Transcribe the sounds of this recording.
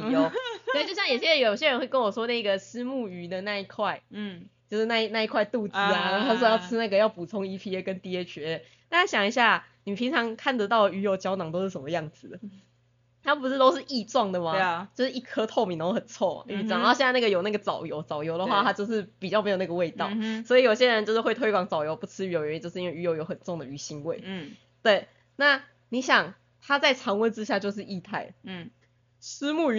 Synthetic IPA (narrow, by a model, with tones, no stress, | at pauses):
jo˨˧˦sst͡ɕɕjɑ˥˩ŋjo˨˩ʊɕjɛ˥˨jo˨˩ɕje˥ɻə˧˥nxwe˥˩ɪkə˦˥nwɔ˨˩ʂwɔ˦˥na˥˩i˧ɡə˨sɹ̩˥mu˥˩y˧˥d̪ə˨na˥˧i˥˧kʰwa˥˧ɪt͡ɕjo˥˧ʊʂ̩˥˧na˥˧i˥˧na˥˧i˥˧kʰwa˥˧ɪt̪u˥˧t͡sɹ̩˥a˨˧˥a˥˩wjɑ˥˧˩ʊt͡sʰɻ̩˥na˥˩ɡə˩jɑ˥˩ʊpu˨˩t͡sʰo˧˥ŋi˥pʰi˧e˥kə˧˦nt̪i˧˥ɛ˧˥t͡ɕʰɥɛ˨˧˥ | t̪a˥˧nʰa˥˩ɕjɑ˨˩ŋi˧˦ɕja˥˩ni˨˩˨pʰi˧˥ŋt͡sʰɑ˧˦ŋkʰa˥˩nd̪ə˧t̪ɑ˥˩ʊlə˩y˧˥jo˧˩ʊt͡ɕjɑ˥ʊnɑ˨˩ŋo˥ʊʂɻ̩˥˩ʂə˨˩mə˦jɑ˥˩ŋd͡zɹ̩˨˩d̪ə˩ | t̪ʰa˥pu˧˥ʂ̩˥˧t̪o˥ʊʂ̬ɻ̩˥˧ʔi˥˧t͡swɑ˥˩ŋd̪ə˩ma˨t͡ɕjo˥˧ʊʂɻ̩˥˩ʔi˥˩kʰɤ˥t̪ʰo˥˩ʊmi˨˩nə˧˥o˥xə˨˩nt͡sʰɔ̰˥˩˨i˥˧˥ŋ˧˥˧jɛ˥˧˥na˥˩ɡə˩jo˨˩na˥˩ɡə˩t͡sɑ˨˩ʊjo˧˥ʊt͡sɑ˨˩ʊjo˧˥ʊd̪ə˩xwa˥˧t̪ʰa˥t͡ɕjo˥˧ʊʂɻ̩˥˩pi˨˩t͡ɕjɑ˥˩me˧˥jo˨˩na˥˩ɡə˦we˥˧ɪt̪ɑ˥˩ʊswɔ˧˥i˨˩jo˨˩ɕjɛ˦˥ɻə˧˦nt͡ɕo˥˧ʊʂɻ̩˥˩xwe˥˩ɪt̪ʰwe˥ɪkwɑ˨˩ŋt͡sɑ˨˩ʊjo˧˥ʊpu˥˩t͡sʰɻ̩˥y˧˥˩o˧˩jt͡ɕjo˧ʊʂ̩ɻ̩˥˧i˦˥we˥˩y˧˥jo˧˥ʊjo˧˥ʊxə˨˩nʈ͡ʂʊ˥˨˩ŋd̪ə˩y˧˥ɕi˧˥ŋwe˥˩ɪ | t̪we˥˩ɪ | na˥˩ | ni˨˥ɕjɑ˨˩ŋ | t̪ʰa˥t͡sa˥˩ɪʈ͡ʂʰɑ˧˥ŋwə˧˥nʈ͡ʂɻ̩˥ɕ̬ja˥˧t͡ɕjo˥˧ʊʂ̬ɻ̩˥˧i˥˧t̪ʰa˥˩ɪ˩ | ʂɻ̩˥mu˥˩˧